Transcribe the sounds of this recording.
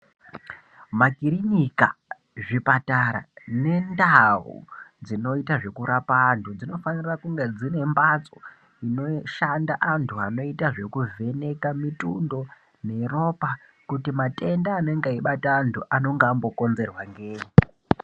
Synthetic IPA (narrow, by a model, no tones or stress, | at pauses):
makiɾiɲika̰ | ʐipataɾa̰ne̞ndaṵd͡zino̞itaʐe̞kuɾapantud͡zino̞fanirakuŋɡe̞d͡zine̞mbat͡so | ino̞ʃandaʔantʰuano̞itaʐe̞kuve̞ne̞kamitundo̞ | ne̞ro̞pa | kutimate̞ndaːne̞ŋɡaiɓataːntʰuʔano̞ŋɡaːmbo̞ko̞nze̞rwaŋɡeːɲi